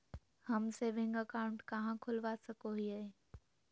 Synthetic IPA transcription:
hɐmseːʋɪ̃ŋɡəkaːʊ̃ɳʈkɐɦãkʰʊlʋasɐkoɦiaɦeː

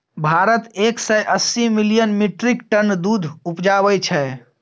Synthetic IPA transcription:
bʱaɾət̪eksɛjʔəsimilijənmiʈɾikʈənd̪ud̪ʱupd͡ʒaβɛt͡ʃʰɛ

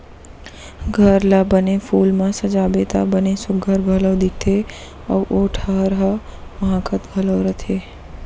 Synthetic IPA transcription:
ɡʱəɾlabənefʰuːlmãsəd͡ʒabet̪a̰bənesʊɡʱəɾɡʱələwd̪ɪk̚t̪ʰe | əʋʔoʈʰaɾɦamɦãkʰət̪ɡʱələwɾət̪ʰe

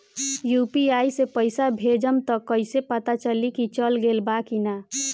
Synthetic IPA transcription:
jupiajsepəɪsabʱed͡ʒəmt̪əkːəɪsepət̪at͡ʃəlikit͡ʃəlɡelbakina

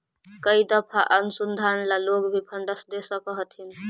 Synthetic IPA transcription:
kəid̪əpʰaʔənʊsund̪ʱaɾənlaloɡbʱipʰəɳɖəsd̪esəkəɦət̪ɦin

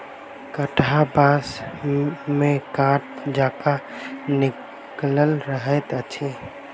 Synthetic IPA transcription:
kəʈʰabas | mẽkaʈ̚d͡ʒaːkanɪ | kləlɾəɦɛt̪ət͡ʃʰi

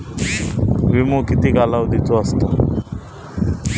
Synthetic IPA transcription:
ʋimukit̪ikalawd̪it̪oast̪o

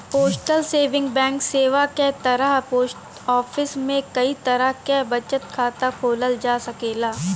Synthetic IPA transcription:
poːsʈəlseːʋɪ̃ŋɡbɛ̃ːŋkseːʋaket̪ɐɾəɦpoːs | ɔːfʰɪsmẽkɐit̪ɐɾəɦkebɐt͡ʃət̪kʰaːt̪apʰoːləld͡ʒaːsɐkeːlaː

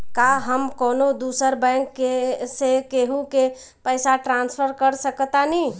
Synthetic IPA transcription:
kaɦəmkoːnod̪usəɾbəŋkːesekeɦuke | pəɪsaʈɾãnspʰəɾkəɾsəkət̪ani

